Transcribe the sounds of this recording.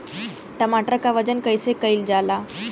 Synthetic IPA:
ʈəmaʈɾəkaʋəd͡ʑənkəjsekəild͡ʑala

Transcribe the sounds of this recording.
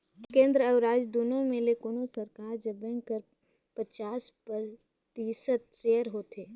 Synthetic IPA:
kẽːnd̪ɾəɐʊɾaːd͡ʒd̪oːnõmẽlekoːnosɐɾkaːɾd͡ʒɐbənkəɾ | pət͡ʃaːspə | t̪iːsət̪̚t͡ʃeːjəɾɦoːt̪ʰeː

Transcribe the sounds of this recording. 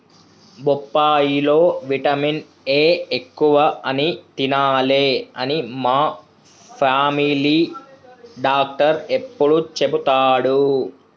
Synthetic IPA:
bɔpːaːjilo̞ːʋiʈɐmin | eːekːuʋɐɐnit̪inaːleɐnimaː | pʰaːmiliː | ɖaːk̚ʈɐɾepːuɽut͡ʃe̞but̪aːɽu

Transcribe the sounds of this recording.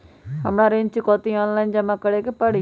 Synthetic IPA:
ɦəmɽãːɾẽɲt͡ʃkɔːt̪iɔːnlaːɪnd͡ʑɐmãkəɽekepəɽi

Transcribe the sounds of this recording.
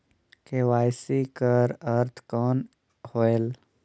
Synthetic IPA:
kewaːjsikəɾəɾt̪ʰkɔːn | hoːel

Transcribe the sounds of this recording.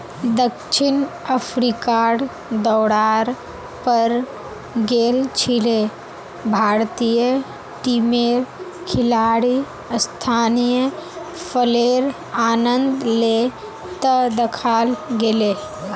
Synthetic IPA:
d̪əkʃɪnəpʰɾikaːɽ | d̪ɔːɽaːɾ | pəɾ | ɡeːlt͡ʃʰile | bʱaːɾt̪ijə | ʈimeːɾ | kʰɪlaːɽi | st̪ʰaːnijəpʰəleːɾ | aːnə̃nd̪le | t̪əd̪əkʰaːlɡeleː

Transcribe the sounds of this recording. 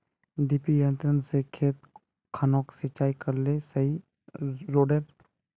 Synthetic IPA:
d̪ipijə̃nt̪ɾənsekʰeːt̪ | kʰanoːksɪt͡ʃaːikɐɾlesəɦi | ɾoːɖeɾ

